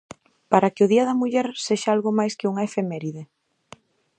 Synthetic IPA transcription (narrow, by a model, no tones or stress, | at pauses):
paɾɐkɪʊðiɐðɐmuʎɛɾseʃaalɣʊmajskɪuŋaefemɛɾiðe